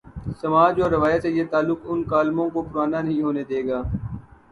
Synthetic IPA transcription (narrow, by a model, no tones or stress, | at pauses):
sɐmaːd͡ʒoːɾɪʋaːjət̪sejeːt̪aːlːʊkʊnkaːlmõkopʊɾaːnanɐɦĩɦoːned̪eːɡaː